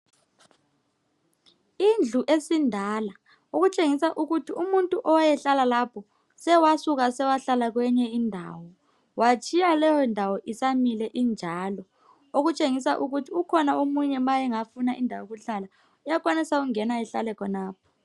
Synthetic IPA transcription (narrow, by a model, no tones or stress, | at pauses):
ind͡ɮʱuʔesindʱala | oɣut͡ʃʼeŋisaʔuɣutʰiumuntʼuʔɔwajɛɬalalapʰɔ | sɛwasuɣasɛwaɬalaɣ̬wɛɲɛindʱa̰wɔ | wat͡ʃʰʼijalɛjɔindʱawɔʔisamilɛʔind͡ʒʱalɔ | oɣut͡ʃʼeŋisaʔuɣutʰiukʰɔnaomuɲɛmajɛŋafunaʔindʱawoɣuɬala | ujak̬wanisauŋɛnajɛɬa̰lɛkʰɔnaːp̚ʰɔ̥